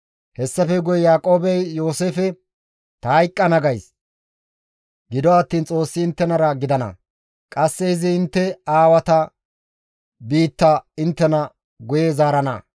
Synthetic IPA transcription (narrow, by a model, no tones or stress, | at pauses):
hɛsːɐfɛɡʊjɛjaːkʼo̞ːbɛjjo̞ːseːfɛ | t̪ɐːjkʼːɐnɐɡɐjs | ɡɪd̪ɔɐt̪ːiːnt͡sʼo̞ːsːɪɪnt̪ːɛnɐɾɐɡɪd̪ɐnɐ̰ | kʼɐsːɛɪzɪɪnt̪ːɛaːwɐt̪ɐ | biːt̪ːɐɪnt̪ːɛnɐ | ɡʊjezaːɾɐnɐ̰